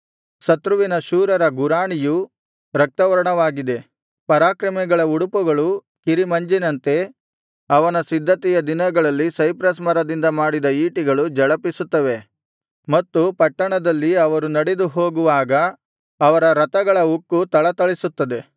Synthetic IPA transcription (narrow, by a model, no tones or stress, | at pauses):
sɐt̪ɾuʋinɐʃuːɾɐɾɐɡuɾaːɳiju | ɾɐk̚t̪ɐʋɐɾɐɳɐʋaːɡid̪e̞ | pɐɾaːkɾɐmɛɡɐɭɐuɽupuɡɐɭu | kiɾimɐɲd͡ʒinɐnt̪e̞ | ɐʋɐnɐsid̪ʱːɐt̪ɛjɐd̪inɐɡɐɭɐlːisɐjpɾɐsmɐɾɐd̪ind̪ɐmaːɽid̪ɐiːʈiɡɐɭud͡ʒɐɭɐpisut̪ːɐʋe̞ | mɐt̪ːupɐʈːɐɳɐd̪ɐlːiɐʋɐɾunɐɽed̪uɦo̞ːɡuʋaːɡɐː | ʋɐɾɐɾɐt̪ɐɡɐɭɐukːut̪ɐɭɐt̪ɐɭisut̪ːɐd̪e̞